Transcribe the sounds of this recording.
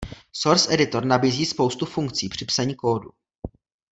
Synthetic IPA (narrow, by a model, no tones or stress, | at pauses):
soɾsʔɛdɪt̪o̞ɾnabiːziːspowst̪ufuŋk̚t͡siːpr̝̥ɪpsaɲiːko̞ːdu